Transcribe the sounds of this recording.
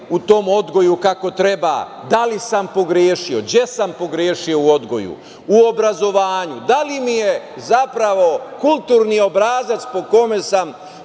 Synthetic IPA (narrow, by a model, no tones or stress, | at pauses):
ut̪o̞mo̞d̪ɡo̞jukako̞t̪ɾe̞ba̰ː | d̪alisampo̞ɡɾeːʃio̞ɡje̞sampo̞ɡɾjeːʃio̞uo̞d̪ɡo̞̰jṵ | uo̞bɾazo̞ʋaːɲud̪alimije | zapɾaʋo̞kulˠt̪uːɾnio̞bɾaːzat̪spo̞ko̞me̞sam